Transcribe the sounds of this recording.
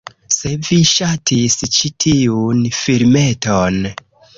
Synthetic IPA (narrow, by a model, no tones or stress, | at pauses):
se̞viʃatʰist͡ʃitʰiunfiɾme̞ton